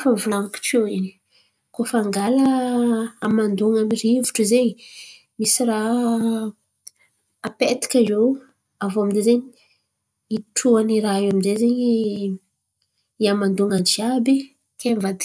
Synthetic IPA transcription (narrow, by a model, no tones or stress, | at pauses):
favulaŋki̥ʈ͡ʂoini̥ | kofaŋɡaləː | mand̪uŋamirivuʈ͡ʂəze | misira | pet̪i̥kʲazow | avoamind̪ezeɲi | iʈ͡ʂuaniɾaeaminzezeɲ | iamand̪uŋand͡ʒiabi | kʰemvad̪i